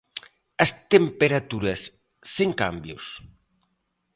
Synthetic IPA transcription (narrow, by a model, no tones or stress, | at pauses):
ɐst̪empeɾat̪uɾɐsː | eŋka̰mbjʊs